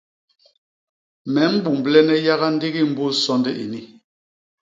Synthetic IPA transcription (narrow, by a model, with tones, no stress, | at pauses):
mɛ˨˦m̩˦bu˨m˨blɛ˦nɛ˦ja˦ɣa˦n̩˦di˦ɣi˦m̩˦bo˦sɔ˦ndɛ˦ʔḭ˨ni˦